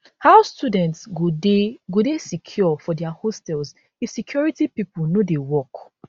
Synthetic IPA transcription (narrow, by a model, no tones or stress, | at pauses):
haʊstudɛ̃ntsɡudeɡudesikʰjɔfɔdɛahostɛlz | ifsikʰjɔɹitipipunodewɔk